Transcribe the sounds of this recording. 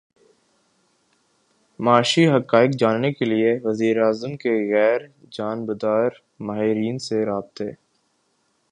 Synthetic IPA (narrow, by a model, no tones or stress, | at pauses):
maːʃiɦɐkaːɪkd͡ʒaːnːekelieʋɐziːɾaːzəmkeɣɛːɾ | d͡ʒaːnbəd̪aːɾ | maːɦɪɾiːnseɾaːb̚t̪ɦeː